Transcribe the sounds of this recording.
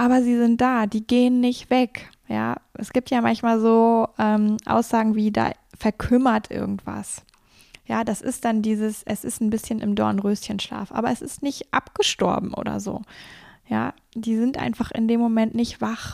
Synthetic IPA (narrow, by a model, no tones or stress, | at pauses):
ʔaːbɐziːzɪnt̚d̥aːd̥iːɡeːənːɪçtv̥ɛk | ja̰ːʔɛsɡ̥iːp̚tjaːmançmaːlzoːʔɛːmʔa̰ʊsz̥aːɡŋ̩viːda̰ː | fɛɐkʰʏmɐtʔɪ̰ɐɡŋ̩tv̥a̰s | jaːd̥asɪ̰st̚d̥andiːzəsʔɛsɪstn̩bɪsçənʔɪmdɔɐnənʁøːstçənʃla̰ːfʔa̰ːbɐɛsɪstnɪçtʔa̰pɡ̥əʃtɔ̰ɐbm̩ʔo̰ːdɐ̰zo̰ːja̰ː | d̥iːzɪntʔa̰ɪnfaχɪ̰ndeːmːomɛntnɪçtv̥aχ